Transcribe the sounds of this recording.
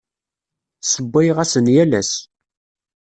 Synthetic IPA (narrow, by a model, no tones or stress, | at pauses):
səbːɪjʁæsənjælæs